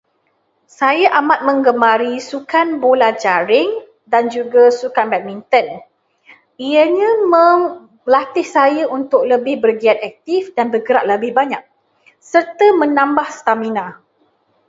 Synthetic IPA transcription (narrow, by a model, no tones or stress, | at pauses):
sajaʔamat̪̚mə̃ŋɡəmãɾisukanbolad͡ʒaɾɪŋ | dand͡ʒuɡasukanbɛt̪̚mint̪ən | iəɲãməŋ | lat̪ɪhsajaʔunt̪ʊk̚ləbɪhbərɡiat̪̚ɛk̚t̪ɪfdanbərɡəɾaʔ̚ləbɪhbaɲak̚ | sərt̪əmə̃nãmbahsə̥t̪aminã